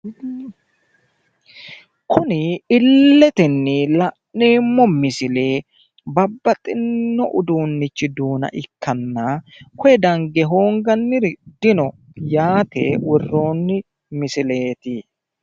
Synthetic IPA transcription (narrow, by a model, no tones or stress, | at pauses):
kʊnɪɪlːɛt̪ɛnːɪlɐʔneːmːɔmɪsɪle̞ː | bɐbːɐt̪ʼːɪnːɔʔʊd̪uːnːɪt͡ʃːɪd̪uːnɐ̰ʔɪkːɐnːɐ | kɔjɛd̪ɐŋɡɛɦo̞ːŋɡɐnːɪɾd̪ɪnɔ | jaːt̪ɛ̰wɔrːo̞ːnːɪ | mɪsɪle̞ːt̪ɪ